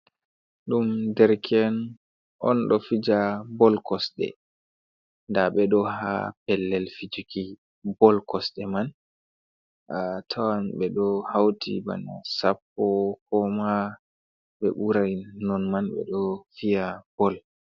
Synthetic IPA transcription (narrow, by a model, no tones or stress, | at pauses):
ɗumdɛɾkʰɛn | ʔɔ̰nɗɔfid͡ʒabɔlkɔsɗɛ̰ | ndaɓɛɗɔɦa̰pɛlːɛlfid͡ʒuki | bɔlkɔsɗɛman | ʔatʰawanɓɛɗɔhawtʰḭba̰na̰sapːɔkɔma | ɓɛɓuɾajnɔnmanɓɛ̰ɗɔfijab̥ɔl